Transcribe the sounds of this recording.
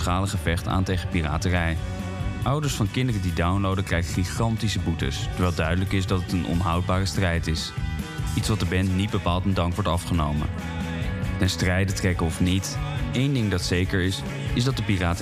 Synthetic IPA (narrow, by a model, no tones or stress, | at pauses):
χaːləχəvɛχta̰ːntejχəpira̰ːtərɛj | ʔʌwdəɹsfɑnkɪndərədidawnlowdəkrɛjχəχiχɑntisəbutə̰stɛɹʋɛːlˠdœɥdələkɪsdɑtətənʔɔ̰nɦɑwd̚baːrəstrɛjtɪs | itsʋɑt̚dəɹbɛnnid̚bəpaːlˠtəndɑŋkʋɔɹtɑfχənowmə̰ | tɛnstrɛjdətrɛkəɔfnitejndɪŋdɑtsejkəɹɪs | ɪzdɑt̚dəpiraːt